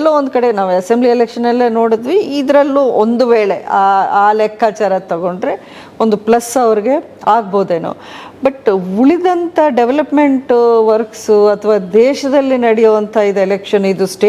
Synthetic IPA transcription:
lːoːond̪ukɐɽe̞naːʋuɐsemblielekʂɐnɐlːeno̞ːɽid̪ʋiːd̪ɾɐlːuond̪uʋeːɭe̞aːaːlɛkʰːaːt͡ʃaːɾɐt̪ɐɡo̞ɳɖɾe̞ | ond̪uplɐsːɐʋɐɾiɡe̞ | aːɡ̚boːd̪eːno̰ː | bɐʈuɭid̪ɐnt̪ʰɐɖeʋelɐpme̞ɳʈʋɐɾksɐt̪ʰɐʋaːd̪ɛːʃɐd̪ɐlːinɐɽijoːʋɐnt̪ʰɐid̪elekʂɐnid̪usʈe

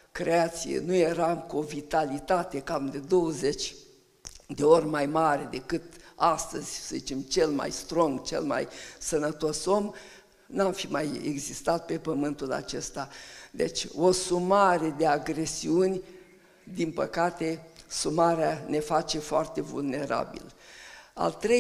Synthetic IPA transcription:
kɾeat̪sijḛnujeɾamkuo̞vit̪alit̪at̪e̞kamd̪e̞d̪o̞wəze̞t͡ʃʲ | d̪e̞orʲmajmaɾed̪e̞kɨt̪ast̪əz̥ʲsəzit͡ʃe̞mt͡ʃe̞lma̰jst̪ɾoŋɡt͡ʃḛlma̰jsənət̪o̞so̞m | nuamfimajḛɡzist̪at̪̚pe̞pəmɨnt̪ula̰t͡ʃe̞st̪ad̪e̞̰t͡ʃʲo̞sumaɾe̞d̪e̞aɡɾe̞siunʲ | d̪inpə̰kat̪e̞sumaɾeane̞fat͡ʃe̞foart̪e̞vṵlne̞ɾa̰bḭla̰lt̪ɾe

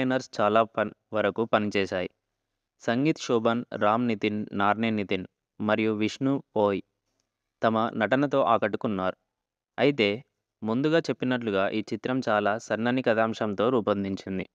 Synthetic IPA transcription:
ɐjnɐɾst͡ʃaːlaːpɐʋɐɾɐkupɐnit͡ʃɛːʃaːji | sɐŋɡiːt̪ʃuːbɐnɾaːmnit̪inːaːɾneːnit̪in | mɐɾijuʋiʂnupoːji | t̪ɐmɐnɐʈɐnɐt̪̬o̞ːʔaːkɐʈːukunːaːɾu | ɐjit̪e̞ː | mund̪uɡaːt͡ʃe̞pːinɐʈ̬luɡaːʔiːt͡ʃit̪ɾɐmt͡ʃaːlaːsɐɾnɐnikɐd̪aːmʂɐmt̪o̞ːɾuːpɐnd̪iɲt͡ʃind̪i

